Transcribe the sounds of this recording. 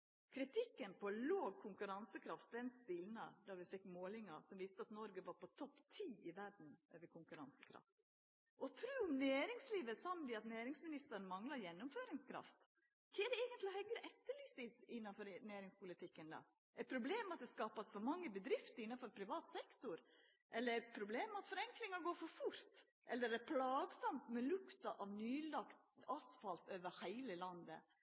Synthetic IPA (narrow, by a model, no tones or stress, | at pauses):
kʰɾɪt̪ʰɪkːənpɔloːɡ̚kʰʊŋkʉɾɑnsəkʰɾɑft̪̚d̪ɛnst̪ɪlnə̰d̪ɑʋɪfɛkːmoːlɪŋɑ̰sɔmʋɪst̪əɑt̪nɔɾɡəʋɑɾpɔt̪ʰɔpːt̪ʰiːʔɪʋæɖn̩ʔø̰ːʋəɾkʰʊŋkʉɾɑnsə̥kʰɾɑ̰ft̪ | ʔɔt̪ʰɾʉːɔmnæːɾɪŋsliːʋəsɑmd̪ɪɑt̪næːɾɪŋsmɪnɪst̪əɾnmɑŋlɑɾjɛnːʊmføːɾɪŋskʰɾɑ̰ft̪ | kʰɛːɖ̪ɛɛːɡənt̪lɪhœɡɾəʔɛt̪ːəɭyːsɪt̪ɪnːɑfɔɾnæːɾɪŋspʊlɪt̪ʰɪkːənd̪ɑ̰ | ʔɛpʰɾʊbleːmɛɑt̪̚d̪ɛskɑːpɑsfɔɾmɑŋːəbəd̪ɾɪft̪əɾɪnːɑfɔɾpʰɾɪʋɑːt̪sɛkt̪ʊɾ | ʔɛlːəɾɛpʰɾʊbleːmɛɑt̪fɔɾɛŋklɪŋɑɾɡoːfɔɾfʊɾt̪ | ʔɛlːəɾɛɾpʰlɑːɡsɑmt̪mɛlʊkt̪ɑʔɑʋnyːlɑkt̪ɑsfɑlt̪øːʋəɾhæɪləlɑnd̪ə̰